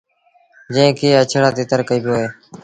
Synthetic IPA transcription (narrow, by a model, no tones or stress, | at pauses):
d͡ʒə̃ːkeːət͡ʃʰɽaːt̪eːt̪əɾkəiːbjoːɦeː